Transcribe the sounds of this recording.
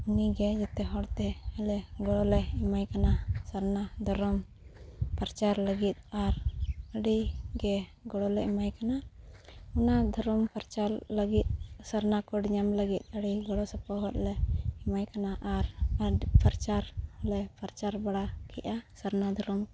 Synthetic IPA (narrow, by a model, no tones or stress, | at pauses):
uniɡɛd͡ʒɛt̪ɛɦɔɽt̪ɛəlɛɡɔɽɔlɛimajkanasəɾnad̪ʱɔɾɔm | pəɾt͡ʃaɾləɡit̪̚aɾəɽiɡɛɡɔɽɔlɛimajkana | unad̪ʱɔɾɔmpəɾt͡ʃalləɡit̪̚səɾnakɔɖɲamləɡit̪̚ˀəɽiɡɔɽɔsapɔɦɔt̪̚lɛimajkanaʔaɾəpəɾt͡ʃaɾlɛpaɾt͡ʃaɾbaɽakɛ̰ʔasəɾnad̪ʱɔɾɔm